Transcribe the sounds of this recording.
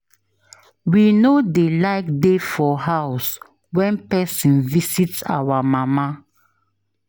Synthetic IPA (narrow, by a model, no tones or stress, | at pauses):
winodelaɪk̚defɔɦaʊs | wɛ̃npɛsĩnvisitsa̰wamama